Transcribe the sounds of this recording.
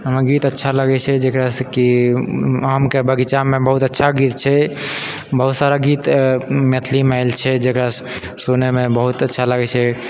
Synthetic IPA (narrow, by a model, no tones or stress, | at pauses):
ɦəmɡit̪ətːʃʰaləɡɛt͡ʃʰɛd͡ʒekɾasə̃ki | amkebəɡit͡ʃamebəɦut̪ətːʃʰaɡit̪̚t͡ʃʰɛ | bəɦut̪saɾaɡit̪met̪ʰlimeaɪlt͡ʃʰɛd͡ʒekɾas | sonemebəɦut̪ətːʃʰaləɡɛt͡ʃʰɛ